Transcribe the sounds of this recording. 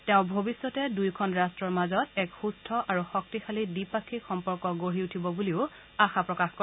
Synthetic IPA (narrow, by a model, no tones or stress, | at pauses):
tɛʊ̃bʱobisːɔtɛdujkʰɔnɹastɹɔɹmazɔtɛkxustʰɔʔaɹuxɔk̚tixʰalidipakʰixɔmpɔɹkɔɡoɹiutʰibɔbuliʊ | axapɹɔkaxko